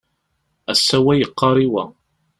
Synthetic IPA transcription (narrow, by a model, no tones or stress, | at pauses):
æsːæwæjəqːɑɾˤiwæ